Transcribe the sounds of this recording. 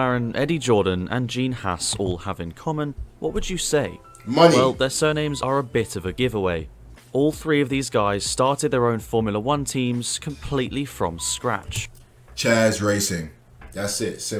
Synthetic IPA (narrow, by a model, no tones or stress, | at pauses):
aɹə̃nʔɛdid͡ʒɔːdⁿn̩ə̰̃nd͡ʒĩːnha̰sɔːlˠəvɪ̃nkʰɒmə̃nwɒʔ̚wəd͡ʒəseɪ | mʌnwɛlˠðəsɜːnẽɪ̃mzəɹəbɪtəvəɡɪvəweɪ | ʔɔːlˠθɹiːəvðiːzɡaɪz̥stɑˑtɪd̪̚ðəɹə̃ʊ̃nfɔːmjlˠəwʌ̃ntʰĩmz̥kʰə̃mpʰl̥iˑʔlifɹə̰̃mskɹa̰t͡ʃ | t͡ʃʰɛːzɹeɪsɪ̃ŋ | ðatsɪtsɪ